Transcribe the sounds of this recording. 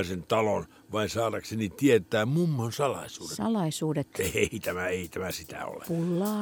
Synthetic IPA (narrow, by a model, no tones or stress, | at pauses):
sent̪ɑlon | ʋɑinsɑːtɑksenit̪iet̪ˑæːmmumːoonsɑlɑ̰isuːdesɑlɑisuːdet̪eit̪æmæeit̪æmæsit̪æ̰o̰lḛpulːɑː